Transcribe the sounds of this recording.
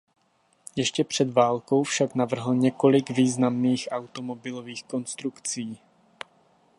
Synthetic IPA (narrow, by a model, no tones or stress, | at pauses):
jɛʃcɛpr̝̥ɛd̪vaːlko̞wfʃaknavr̩ɦl̩ɲɛko̞lɪɡviːznamniːxʔawt̪o̞mobɪloviːxko̞nst̪ɾukt͡siː